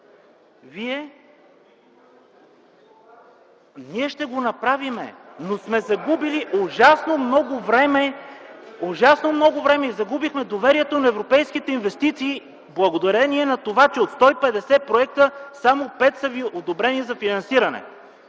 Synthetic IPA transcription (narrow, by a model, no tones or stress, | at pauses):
viɛ | niɛʃt̪ɛɡonɐpɾavimɛ̰nosmɛzɐɡubiliʔoʒasnomnɔɡʊvɾɛmɛ | oʒasnomnɔɡʊvɾɛmɛizɐɡubixmɛd̪ovɛɾiɛt̪onɐɛvɾopɛjskit̪ɛinvɛst̪it̪siː | blˠɐɡod̪ɐɾɛniɛnɐt̪ovat͡ʃɛot̪st̪ɔipɛd̪ɛsɛpɾoɛk̚t̪əsamopɛt̪sɐviʔod̪obɾɛnizɐfinɐnsiɾɐnɛ̰